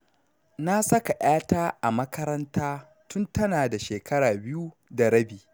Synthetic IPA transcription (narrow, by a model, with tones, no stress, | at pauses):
na˦sɐ˦ka˨ʔaː˦taː˦ʔa˨mɐ˦kɐ˦ɾɐ˦ntaː˦ | tʊ˦ntɐ˦naː˨da˨ʃeː˨kɐ˦ɽaː˨bɪ˦ju˦ | da˨ɾɐ˦biː˨